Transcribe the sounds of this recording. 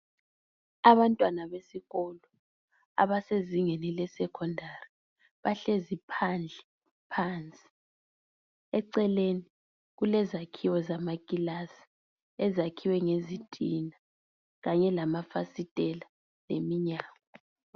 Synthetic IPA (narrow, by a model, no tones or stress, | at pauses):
aβantʼwanaβesiɣɔlɔ | a̰βaseziŋenilɛsɛkʰɔndʱari | βaɬezipʰand͡ɮʱɛ | pʰaːnt͡sʼi̥ | ɛǀɛleni | ɣulɛzakʰiwɔzamakʼilasi̥ | ɛzakʰiwɛŋezitʼina | ɣaɲɛlamafasitʼɛla | lḛmiɲaːŋɔ